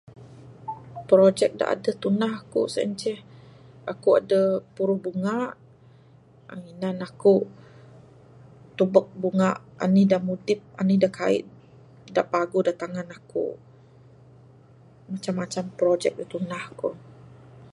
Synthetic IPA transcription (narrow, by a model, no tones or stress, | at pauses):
pɾod͡ʒɛk̚da̰ʔa̰dət̪unahkṵsa̰ɲt͡ʃɛhakua̰dəpuɾuhbuŋaʔ | aŋinanaku | t̪ubək̚buŋaʔa̰nihdamudɪp̚a̰nidaka̰ḭʔ | daʔpaɡudat̪aŋanakṵ | mat͡ʃamːat͡ʃampɾod͡ʒɛk̚dat̪unahku